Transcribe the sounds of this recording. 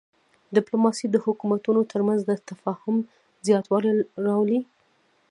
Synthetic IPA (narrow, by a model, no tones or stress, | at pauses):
d̪ɪplomɑsid̪əhʊkumat̪unot̪ʰəɾmanzd̪ət̪afɑhʊm | zjɑt̪wɑliɾɑwli